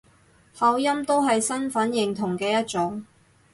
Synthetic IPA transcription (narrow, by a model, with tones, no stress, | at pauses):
hɐ˨˧wjɐ˥mt̪o˥wɦɐ˨jsɐ˥nfɐ˨˥njɪ˨ŋt̪ʰʊ˨˩ŋkɛː˧jɐ˥t̚t͡sʊ˨˥ŋ